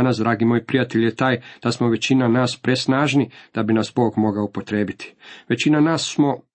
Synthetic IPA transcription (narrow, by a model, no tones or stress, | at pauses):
nas̬d̪ɾaːɡimoːjpɾijat̪eʎjet̪aːjd̪̥asmoʋe̞t͡ɕinanaːspɾesnaːʒnid̪̥abinasbo̞ːɡmo̞ɡaupo̞t̪ɾe̞ːbit̪i̥ʋe̞t͡ɕinanaːsːmo̞